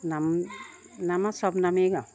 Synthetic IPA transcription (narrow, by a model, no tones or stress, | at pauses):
nam | namasɔbnameɡa